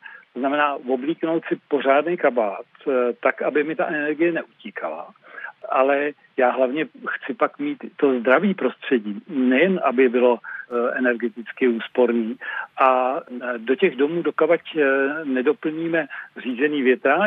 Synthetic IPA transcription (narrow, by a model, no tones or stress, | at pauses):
t̪oznamɛnaːvo̞bliːkno̞wt̪sɪpo̞r̝aːdnejkabaːt̪t̪ːakabɪmɪt̪aʔɛnɛɾɡɪjɛnɛʔuciːkʰala̰ʔalɛ | jaːɦlavɲɛxt͡sɪpakmiːt̪ːo̞zd̪ɾaviːpɾo̞st̪r̝̥ɛɟiːnɛjɛnʔabɪbɪloʔɛnɛɾɡɛt̪ɪt͡skɪuːspo̞ɾniːʔa | do̞cɛɣdo̞muːdo̞kabacnɛdo̞pl̩ɲiːmɛr̝iːzɛniːvjɛt̪ɾa